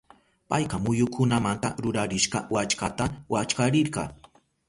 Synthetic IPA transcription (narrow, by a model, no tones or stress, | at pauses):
pajqɑmʊjʊkʰʊnamant̪aɾʊɾaɾɪʃqɑ̰wat͡ʃkat̪awat͡ʃkaɾɪɾɢɑ